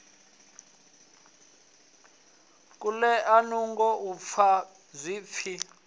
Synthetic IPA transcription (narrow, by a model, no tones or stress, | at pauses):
kʼulɛʔanuŋɡɔup̪fʰa | zʷiːp̪fʰi